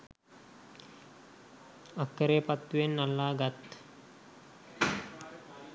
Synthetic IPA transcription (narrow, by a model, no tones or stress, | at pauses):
akːəɾeːpat̪ːujenːalːaːɡat̪